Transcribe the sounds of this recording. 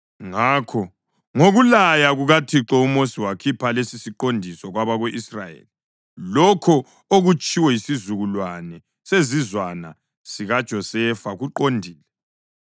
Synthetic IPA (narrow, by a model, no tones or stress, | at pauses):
ŋakʰɔ | ŋoɣulajaɣuɣatʰiǁɔumosiwakʰipʰalesisiǃondʱisɔɣwaβaɣeʔisra̰jḛli | lɔkʰɔ | oɣut͡ʃʼiwɛjisizuɣulwanɛ | sezizwana | siɣad̥ʒ̥ʱɔsɛfaɣuǃondʱiːlɛ